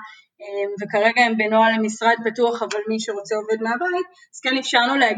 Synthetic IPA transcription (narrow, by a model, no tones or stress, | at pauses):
emvekaʁe̞ɡaembenoalemisʁad̪̚patuaχavalmiʃeʁo̞t͡seo̞ve̞d̪meabajit̚ | az̥kenefʃaʁnuleaɡ